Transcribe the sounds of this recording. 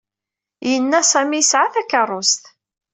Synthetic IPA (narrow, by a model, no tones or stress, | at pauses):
jənːæsæmijəsʕaθækɑrˤːʊst̪